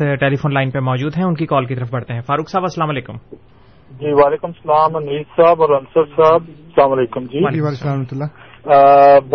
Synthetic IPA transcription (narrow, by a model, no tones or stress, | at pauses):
ʈeːlifoːnlaːɪnpemɔːd͡ʒuːd̪ɦɛ̃ʊnkikɔːlkit̪ɐɾəfbɐɽ̤t̪eɦɛ̃ːfaːɾuːksaːbɐsːəlaːmaleːkʊm | d͡ʒiːʋaːleːkʊmsɐlaːmɐniːzsaːbɔːɾɐnsəɾsaːb̚slaːmɐleːkʊmd͡ʒiːasamt̪lːa | b